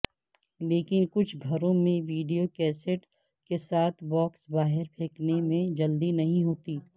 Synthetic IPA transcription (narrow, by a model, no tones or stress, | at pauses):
leːkɪnkʊt͡ʃʰɡʱɐɾõmẽʋiːɖijokɛːseʈ | kesaːt̪ʰbɔːksbaːɦɪɾpʰeːknemẽd͡ʒɐld̪inɐɦĩɦoːt̪iː